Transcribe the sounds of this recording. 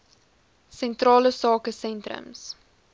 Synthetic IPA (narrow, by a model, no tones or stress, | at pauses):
sɛntrɑːləsɑːkəsɛntrə̰ms